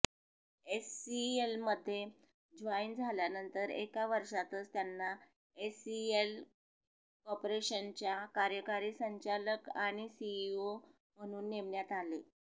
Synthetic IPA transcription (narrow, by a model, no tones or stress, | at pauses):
esielməd̪ʱːje | d͡zʋaind͡zʱaljanənt̪əɾḛkaʋəɾʂat̪ət͡st̪janːa | esiel | kɔpɾeɕənt͡ɕjakaɾjəkaɾiːsəɲt͡ɕaləkaɽ̃isiːo | m̤əɽ̃uːnːeʋɳjat̪ale